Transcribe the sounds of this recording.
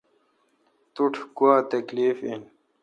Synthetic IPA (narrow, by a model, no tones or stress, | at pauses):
t̪uʈʰkuaːt̪ɐkliːfḭn